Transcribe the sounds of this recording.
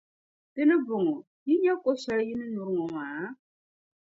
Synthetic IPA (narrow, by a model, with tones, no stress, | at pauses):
dɨ˦nɨ˦bʊ˨ŋɔ˨ | ji˦ɲɛ˦ko˦ʃɛ˦ljɪ˦nɨ˦nʊ˨ɾɨ˦ŋɔ˨maː˨˦